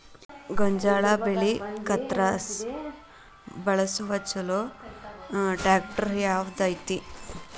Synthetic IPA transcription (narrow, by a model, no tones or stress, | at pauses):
ɡoɲd͡ʒaːɭaːbelikɐt̪ɾaːs | bɐɭɐsuʋɐt͡ʃːɐlo | ʈaːk̚ʈɐɾjaːʋd̪ɐjt̪i